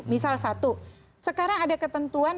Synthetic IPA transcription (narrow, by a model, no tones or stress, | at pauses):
misalsat̪u | səkaɾaŋadakət̪ənt̪uan